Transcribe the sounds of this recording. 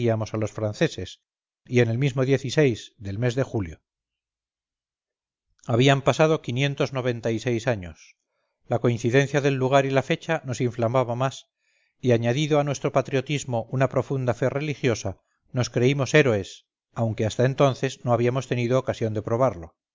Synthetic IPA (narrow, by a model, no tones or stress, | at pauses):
iamo̞salo̞sfɾanθe̞se̞s | ie̞ne̞lmizmo̞ðje̞θise̞jzðe̞lme̞zðe̞xuljo̞ | aβiampasað̞o̞kinje̞nt̪o̞zno̞β̞e̞nt̪ajse̞jsaɲos | lako̞inθiðe̞n̟θjaðe̞lːuɣ̞aɾilafe̞t͡ʃano̞siɱflamaβamas | iaɲaðiðoanwe̞st̪ɾo̞pat̪ɾio̞t̪izmo̞ʔunapɾo̞fund̪afe̞re̞lixjo̞sa | no̞skɾe̞imo̞se̞ɾoe̞s | awŋke̞ast̪ae̞nt̪o̞nθe̞zno̞aβiamo̞st̪e̞niðoːkasjo̞nd̪e̞pɾo̞β̞aɾlo̞